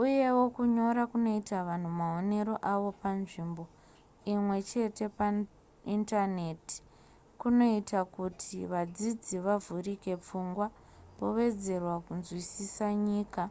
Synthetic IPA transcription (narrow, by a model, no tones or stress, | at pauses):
uje̞wokuɲo̞ɾakuno̞itaʋan̤umao̞ne̞ɾo̞ʔaʋo̞panʐiːmbo̞ | imwe̞t͡ʃe̞te̞pa | intane̞ti̥ | kuno̞itakutʰiʋad͡zid͡ziʋavurike̞p͡fuŋɡwa | po̞ʋe̞d͡ze̞rwakunzwisisaɲiːka